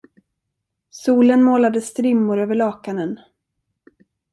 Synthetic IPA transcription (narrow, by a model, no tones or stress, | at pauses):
suːlənmoːlad̪əst̪ɾɪmːʊɾøːvəɭɑːkanən